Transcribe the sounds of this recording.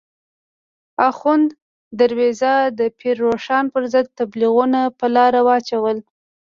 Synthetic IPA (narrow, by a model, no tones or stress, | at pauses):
axʊnd̪ː | aɾwezad̪əpʰiɾːoʂɑnpəɾzəd̪̚t̪abliɣunapəlɑɾawəɑt͡ʃawəl